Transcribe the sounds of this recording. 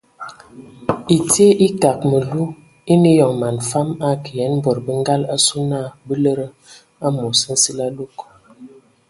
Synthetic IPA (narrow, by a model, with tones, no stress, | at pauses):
i˨te˦ʔi˦ka˨k̚mə˨lu˦ | i˦ni˦jɔ˨ŋma˨nfa˦ma˦ki˨jɛ˨˦n˦bɔ˨ɾbə˦ŋ˦ɡa˦la˦su˦na˦˨bə˦lə˦ɾə˦ | a˦mo˨sə˦n̩˦si˦la˦lo˦k